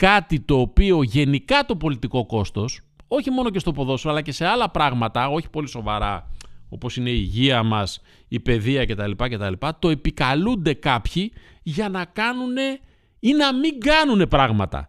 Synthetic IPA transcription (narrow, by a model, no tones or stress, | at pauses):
kɐt̪it̪o̞ːpio̞ʝe̞nikɐt̪o̞po̞lit̪iko̞ko̞st̪o̞so̞çimo̞no̞ce̞st̪o̞po̞ðo̞soɐlɐce̞se̞ɐlɐpɾɐɣmɐt̪ɐo̞çi̥po̞liso̞vɐɾɐo̞po̞sine̞iʝiɐmɐs | ipe̞ðiɐce̞t̪ɐlipɐce̞t̪ɐlipɐt̪o̞e̞pikɐlund̪e̞kɐpçi | ʝɐnɐkɐnune̞ | inɐmiŋɡɐnune̞pɾɐɣmɐt̪ɐ̰